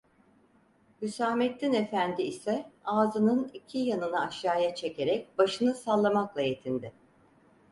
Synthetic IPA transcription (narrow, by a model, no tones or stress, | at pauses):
mysaːmɛt̪ːine̞fænd̪iːsɛaːzɯnɯnicʰijanɯnaːʃjaːjat͡ʃʰe̞ce̞ɾɛc̚baʃɯnɯsalˠːamaklˠaje̞t̪ʰind̪ɪ